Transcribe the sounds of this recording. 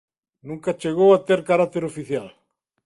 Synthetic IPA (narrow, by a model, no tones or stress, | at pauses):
nũŋkat͡ʃeɣowat̪eɾkaɾat̪eɾofiθjal